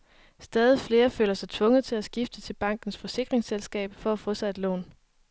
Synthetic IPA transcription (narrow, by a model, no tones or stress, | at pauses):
sd̥ɛːð̞ˠifle̝ːɐfø̰ːlɐsɑ̈ɪt͡sʰʋɔ̽ŋəð̩ˠt͡sʰe̝læsɡ̥ifd̥ət͡sʰe̝lb̥ɑ̈ŋ̰ɡ̥n̩sfɒ̽se̝ɡ̥ʁeŋselsɡ̥ɛ̰ːb̥fɒ̽æfɔ̽sɑɪe̝d̥lɔ̰ːn